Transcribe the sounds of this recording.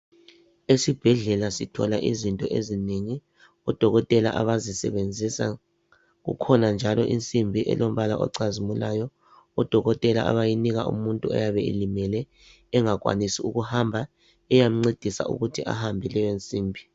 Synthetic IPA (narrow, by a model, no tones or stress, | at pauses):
esib̥ʱɛɮɛlasitʰɔ̰laʔizintʼɔʔezineŋi | ɔd̥ʱɔɣɔtʼɛlaʔaβazisɛ̰βend͡zʱisa̰ | ɣṵkʰɔnand͡ʒʱalɔʔint͡sʼimbʱiʔɛ̰lom̩βalaʔɔ̰ǀazimulajɔ | ɔd̥ʱɔɣɔtʼɛla̰ʔa̰βajiniɣaʔṵmuntʼuɔ̰jaβɛḛlimɛlɛː | ŋaɣʼwa̰nisiuɣuhambʱa | ɛjam̩ŋ͡ǀed̥ʱisa̰ṵɣutʰiʔa̰hambʱilɛjent͡sʼiːmbʱi